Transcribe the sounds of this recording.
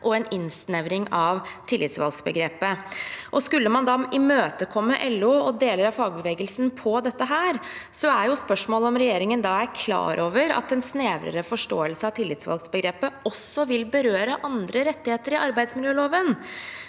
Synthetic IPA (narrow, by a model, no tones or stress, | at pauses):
ʔɔɛnɪnsnɛʋɾɪŋɑʋt̪ʰɪlːɪt̪sʋɑ̰lɡsbə̰ɡɾeːpəʔɔskʉlːəmɑnd̪ɑɪmøːt̪əkʰɔmːəʔɛlːuɔd̪eːləɾɑfɑːɡ̚bəʋeːɡəlsn̩pʰɔd̪ɛt̪ːəɦæːɾsɔæɾjʊspœʂmoːləɔmɾɛjeːɾɪŋənd̪ɑːæɾkʰlɑ̰ːɾʔoːʋəɾɑ̰t̪ɛnsneːʋɾə̰ɾəfɔʂʈo̰ːəlsəɑʋt̪ʰɪlːɪt̪sʋɑ̰lɡsbəɡɾeːpːəɔsːɔʋɪlbəɾøːɾəʔɑnd̪ɾəɾɛt̪ːɪheːt̪əɾɪɑɾbæɪd̪smɪljøːloːʋən